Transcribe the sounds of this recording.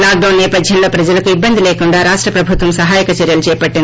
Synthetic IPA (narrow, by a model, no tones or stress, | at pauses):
laːk̚ɖɐwnːɛːpɐd̪ʱjɐmlo̞ːpɾɐd͡ʒɐlɐkuibːɐnd̪ʱileːkuɳɖaːɾaːʂʈɾɐpɾɐbʱut̪ʋɐmsɐɦaːjɐkɐt͡ʃɛɾjɐlut͡ʃɛːjpɐʈːind̪i